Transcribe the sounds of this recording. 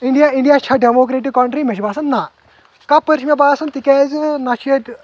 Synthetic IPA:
iɳɖijaiɳɖjat͡ʃʰaɖemokɾeʈikːɔɳʈɾimeʃibasɐnna | kapəɾʃmebasɐnt̪ikɛd͡znat͡ʃʰeʈ

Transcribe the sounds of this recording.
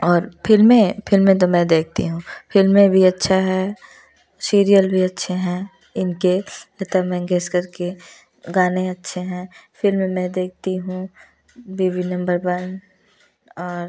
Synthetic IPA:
ɔːɾpɪlmẽfɪlmẽt̪̬omɛ̃d̪eːk̚ʰt̪ḭɦũːfɪlmẽbʱiɐtːʃʰaɦɛ | siːɾijəlbʱiɐtːʃʰeɦɛ̃ː | ɪnkeɛt̪amɛ̃ɡeskɐɾke | ɡaːnẽɐtːʃʰeɦɛ̃ːfɪlmmɛ̃d̪eːk̚ʰt̪iɦũː | biːʋinɐ̃mbəɾwɐn | ɔːɾ

